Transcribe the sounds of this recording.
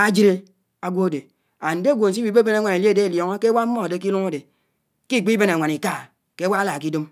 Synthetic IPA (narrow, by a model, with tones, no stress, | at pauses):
a˦d͡ʒi˦ɾe˦ | a˨ɡʷo˦˨de˨ | a˨n̩˨de˦˨ɡʷo˨n̩˨s̬i˦bi˨˦be˦be˦ne˦˨ŋʷa˨ne˨le˦˨de˦e˨ljɔ˨ŋɔ˦ke˦wa˦m̩˦mɔ˦˨de˨ki˦lu˦ŋa˦de˨ | ki˦˨k͡pi˦be˦na˨a˨ni˨ka˦˨ | ke˦wa˦la˨ki˦do˦m